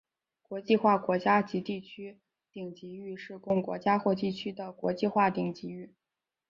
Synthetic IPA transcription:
kwɔ˧˥t͡ɕi˥˧xwa˥˩kwɔ˧˥t͡ɕja˥t͡ɕi˧˥t̪i˥˩t͡ɕʰy˥ | t̪i˨˩ŋt͡ɕi˧˥y˥˧ʂɻ̩˥˧kʊ˥˩ŋkwɔ̰˧˥t͡ɕja˥xwɔ˥˧t̪i˥˩t͡ɕʰy˥d̪ə˨kwɔ̰˧˥t͡ɕi˥˧xwa˥˩t̪i˨˩ŋt͡ɕi˧˥y˥˩

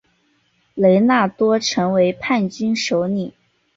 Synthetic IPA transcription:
le˧˥ɪna˥˩t̪wɔ˥ʈ͡ʂʰɤ˧˥ŋwe˧˥ɪpʰa˥˩nt͡ɕy˥nʂo˧˥ʊni˨˩˦

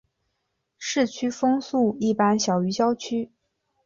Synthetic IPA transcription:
ʂɻ̩˥˩t͡ɕʰy˥fɤ˥ŋsu˥˩i˥˩pa˥nɕjɑ˨˩ʊy˧˥t͡ɕjɑ˥ʊt͡ɕʰy˥

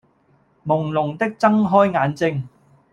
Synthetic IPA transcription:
mʊ˨˩ŋlʊ˨˩ŋt̪ɪ˥k̚t͡sɐ˥ŋɦɔː˥jŋaː˨˧nt͡sɪ˥ŋ

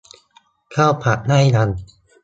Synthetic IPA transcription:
kʰaː˥˩wpʰa˨˩ʔ̚na˥˩jla˧n

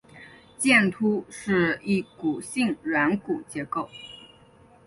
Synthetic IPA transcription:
t͡ɕjɛ˥˩nt̪ʰu˥ʂɻ̩˥˧i˥˩ku˨˩ɕi˥˩ŋɻa˧˥nku˨˩t͡ɕjɛ˧˥ko˥˩ʊ

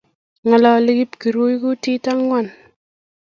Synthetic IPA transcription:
ŋa˨la˨li˦ɡi˦pki˨ɾu˦jku˦ti˦ta˦ŋwa˦˨n

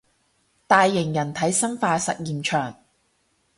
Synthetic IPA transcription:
t̪aː˨˧jːɪ˨˩ŋjɐ˨˩nt̪ʰɐ˨˥jsɐ˥nfaː˧sɐ̰˨t̚jiː˨mt͡ʃʰœː˨˩ŋ

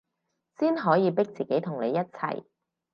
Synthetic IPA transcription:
siː˥nɦɔː˨˥jiː˨˧pɪ˥k̚t͡siː˨ke˨˥jt̪ʰʊ˨˩ŋle˨˧jɐ˥t̚t͡sʰɐ̰˨˩j

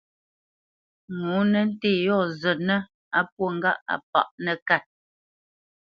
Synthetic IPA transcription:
ŋu˨˦nə˦n̩˦teː˦˨jɔ˦˨zə˨nə˦ | a˦p̚wo˦˨ŋ̩˦ɡa˦ʔa̰˨p̚a̰˨ʔnə˨ka˦˨t̚

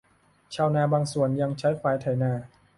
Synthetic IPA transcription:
t͡ɕʰaː˧wnaː˧baː˧ŋsu˨˩ənja˧ŋt͡ɕʰa˦˥jfʰaː˧˩jt̪ʰa˨˩˦jnaː˧

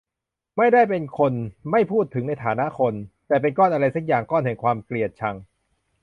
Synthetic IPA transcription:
ma˥˩jda˥˩jpe˧nkʰo˧nma˥˩jpʰuː˥˩t̪ʰːɯ˩˦ŋna˧jt̪ʰaː˩˦na˦˥ʔkʰo˧nt̪ɛː˨˩p̬e˧nkɔː˥˩nʔa˧ɾa˧jsa˦˥k̚jaː˨˩ŋkɔː˥˩nhɛ˨˩˦ŋkʰwaː˧mkli˨˩ət̪̚t͡ɕʰa˧ŋ

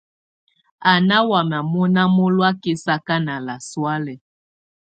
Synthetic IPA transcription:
a˨na˦wa˨ma˨mɔ˦na˦mo˦lwa˦ki˦sa˦ka˦na˨la˨swa˦lɛ˨

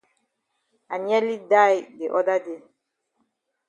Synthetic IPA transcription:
a˨ɲɛ˦li˦da˦˨jde˨ʔɔ˦da˦de˨

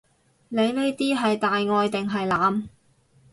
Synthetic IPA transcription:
ne˨˧jne˥jt̪iː˥ɦɐ˨jt̪aː˨jŋɔː˧jt̪ɪ˨ŋɦɐ˨jlaː˨˧m

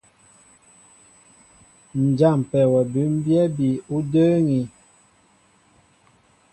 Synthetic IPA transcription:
n̩˨d͡ʒa˦˨m˨pɛ˨wɛ˨bʉ˨˦m˦bjɛ˦bi˨u˦də˦ŋi˨

